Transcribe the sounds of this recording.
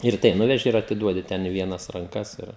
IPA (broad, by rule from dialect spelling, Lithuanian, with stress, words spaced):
ɪr ˈtɐɪ ˈnʊʋʲɛʒʲɪ ɪr ɐtʲɪˈduɔdʲɪ ˈtʲɛn ɪ ˈʋʲiɛnɐs rɐŋˈkɐs ˈɪr